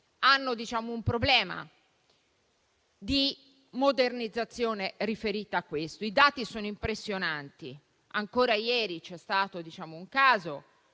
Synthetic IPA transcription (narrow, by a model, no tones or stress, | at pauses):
anːod̪it͡ʃaːmoumpɾoblɛːma̰ | d̪i | mod̪ernid̪zːat̪sːjoːnerifeɾiːt̪aːkːwest̪oid̪aːt̪isoːnoimpɾesːjonant̪ḭ | aŋkoːɾajɛːɾit͡ʃɛst̪aːt̪od̪it͡ʃaːmouŋkaːzo